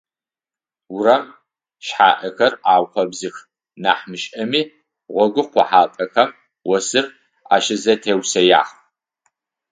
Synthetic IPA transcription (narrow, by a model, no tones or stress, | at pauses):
wʊɾɐm | ʃħaːʔɐxɐraːwχʷɔbzɨx | naːħmɨʃʼɐmiː | ʁʷɔɡʷʊqʷɔħaːpʼɐxɐm | wɔsɨr | a̰ːʃɪzɐtʰeːwsɐja̰ːχ